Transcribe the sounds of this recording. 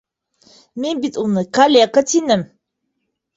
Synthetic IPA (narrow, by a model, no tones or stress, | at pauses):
menbit̪ʼumnɨkʰalʲeakatʰinɨm